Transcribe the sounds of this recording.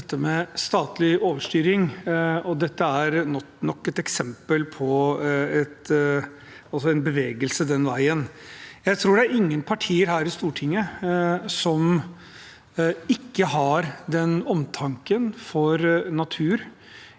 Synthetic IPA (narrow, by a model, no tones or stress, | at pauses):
ɛt̪ːəmɛst̪ɑːt̪lɪoːʋəʂʈyːɾɪŋɔd̪ɛt̪ːəæɾnɔ | nɔkːɛt̪ɛksɛmpəlpʰɔɛt̪ | ɑlsɔɛnbəʋeːɡəlsəd̪ɛnʋæɪənjæɪt̪ʰɾuːɖɛæɾɪŋːənpʰɑʈʰiːəɾɦæːɾɪst̪uːʈʰɪŋːə | sɔm | ɪkːəɦɑɾd̪ɛnɔmt̪ʰɑŋkənfɔɾnɑt̪ʰʉːɾ